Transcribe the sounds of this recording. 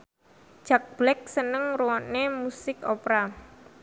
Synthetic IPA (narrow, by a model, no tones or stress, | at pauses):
ʒ̥ak̚b̥lɛk̚sənəŋɾuwɔnemusɪkopɾa